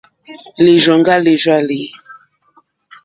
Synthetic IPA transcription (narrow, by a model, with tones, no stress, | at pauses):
le˨ʒɔ˨ŋɡa˦le˨ʒwa˦˨le˨